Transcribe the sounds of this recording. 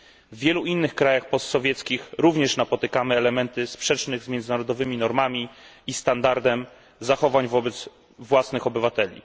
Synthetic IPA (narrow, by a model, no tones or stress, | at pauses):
vːʲjɛluinːɘxkɾajaxpɔst̪sɔvʲjɛt̪skʲixɾuvɲɛʂnapɔt̪ɘkamɘɛlɛmɛnt̪ɘspʂɛt͡ʂnɘɣzmʲjɛnd̪zɘnaɾɔd̪ɔvɘmʲinɔɾmamʲiː | st̪and̪aɾd̪ɛm | zaxɔvaɲvɔbɛd̪z | vwasnɘxɔbɘvat̪ɛlʲḭ